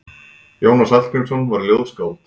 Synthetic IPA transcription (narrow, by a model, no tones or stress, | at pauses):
joːwnasal̥kɪnsɔnvaɾljoːðskaːwt̪